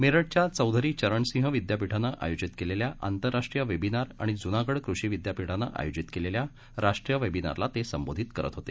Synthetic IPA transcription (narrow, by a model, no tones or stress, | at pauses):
meɾəɽt͡ɕjat͡səwd̪ʱəɾiːt͡ɕəɾəɳsĩɦəʋid̪japiʈʰanːaʔa̰jod͡ʑit̪keleljaʔa̰nt̪əɾːaʂʈɾijəʋebinaɾa̰ɽ̃id͡zunaɡəɽkɾuɕiːʋid̪japiʈʰanːa̰ʔa̰jod͡ʑit̪kelelja | ɾaʂʈɾijəʋebina̰ɾlat̪esəmbod̪ʱit̪kəɾə̰t̪ɦot̪ḛ